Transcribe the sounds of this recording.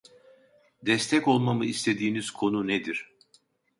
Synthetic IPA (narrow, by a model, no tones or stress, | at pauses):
d̪ɛst̪ʰɛko̞lˠmamɯist̪ʰe̞d̪iːniz̥kʰo̞nuned̪iɾ̥